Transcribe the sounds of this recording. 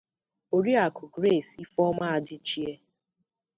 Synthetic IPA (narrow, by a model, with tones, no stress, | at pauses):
o˨ɾi˦a˨kʊ˨ɡɾe˦˨si˦fɔ˦ma˦a˨dɪ˦t͡ʃi˦e˦